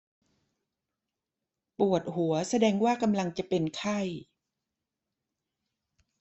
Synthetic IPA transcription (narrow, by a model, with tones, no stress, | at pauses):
pu˨˩ət̪̚hu˩˦ɐsa˧dɛː˧ŋwaː˥˩ka˧mla˧ŋt͡ɕa˨˩pe˧nkʰa˥˩j